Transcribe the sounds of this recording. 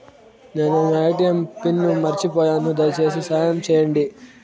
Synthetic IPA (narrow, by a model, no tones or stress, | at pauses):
neːnɐɐjʈijɐmpinːumɐɾit͡ʃipɔːjaːnud̪ɐt͡ʃe̞ːs̬isaːjɐmt͡ʃɛːjɐɳɖi